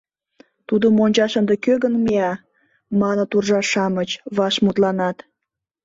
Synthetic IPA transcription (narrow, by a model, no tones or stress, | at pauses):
t̪ud̪omonʲt͡ɕɑʃənd̪ekøɣənmiɑ | mɑnə̆t̪urʒɑʃɑmət͡ɕβɑʃmut̪lɑnɑt̪